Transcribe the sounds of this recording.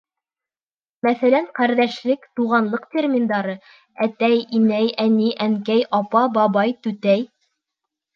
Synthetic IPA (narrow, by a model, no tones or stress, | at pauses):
mæθælæɴqæɾðæʃlɘkt̪uʁɑnlˠɤqt̪ʲermʲind̪ɑɾɤ | æt̪æjimæjæniʔæŋkæjʔɑpɑbɑβɑjt̪ʉt̪æj